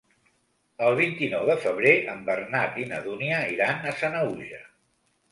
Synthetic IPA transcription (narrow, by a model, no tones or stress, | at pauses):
əlˠβ̞int̪inɔwðəfəβ̞ɾeəmbərnat̪inə̰ðuniəiɾanəsanəuʒə